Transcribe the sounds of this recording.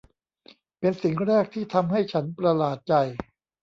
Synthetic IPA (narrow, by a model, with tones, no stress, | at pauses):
pe˧nsi˨˩ŋɾɛː˥˩k̚t̪ʰiː˥˩t̪ʰa˧mɦa˥˩jt͡ɕʰa˦˥npɾa˧laː˨˩t̪̚t͡ɕa˧j